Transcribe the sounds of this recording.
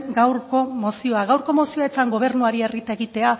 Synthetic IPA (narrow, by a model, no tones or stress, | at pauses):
ɡawɾko̞mo̞sio̞aɣawɾko̞mo̞sio̞e̞t͡saŋɡo̞β̞e̞ɾnuaɾie̞rit̪ae̞ɣit̪e̞a